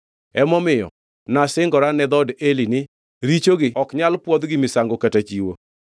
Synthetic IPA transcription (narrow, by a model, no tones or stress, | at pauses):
ɛmɔmɪjɔ̰ | nasɪŋɡɔɾanɛd̪ɔdelinɪ | ɾit͡ʃoɡɪɔkɲalpwɔd̪ɡɪmɪsaŋɡokatat͡ʃiwo̰